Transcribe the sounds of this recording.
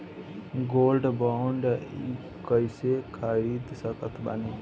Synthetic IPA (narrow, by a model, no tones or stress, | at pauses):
ɡolɖbaɳɖi | kəjsekʰəɾid̪səkət̪ʰba̰ne